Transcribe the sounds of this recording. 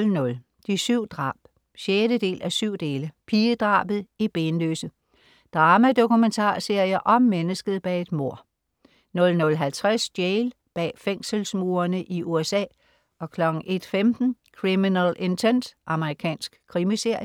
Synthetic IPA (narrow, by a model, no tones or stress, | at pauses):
lnɔ̽l | d̥isyʊ̰d̥ʁɑ̰̈ːb̥ | ɕjedəd̥e̝̰ːlʔæsyʊ̰d̥e̝ːləpʰiːəd̥ʁɑ̰̈ːb̥ð̩ˠib̥e̝ːnløːsə | d̥ʁɑːmæd̥o̝kument͡sʰɑ̰̈ːse̝ɐ̰jɐʔɒ̽mːenəsɡ̥əð̩ˠb̥ɛːe̝d̥mo̝ɐ̰ | nɔ̽lnɔ̽lɦælt͡sʰʁasd̥jeɪl | b̥ɛ̰ːfeŋ̰səlsmuːɐnəʔiʔuesɛ̰ː | ʔɒ̽kʰlɒ̽ɡ̥n̩ʔe̝d̥femd̥n̩kʰʁiminɛlʔe̝nt͡sʰen̰d̥ʔɑ̈məʁikʰɛ̰ːnsɡ̥kʰːʁimise̝ɐ̰jə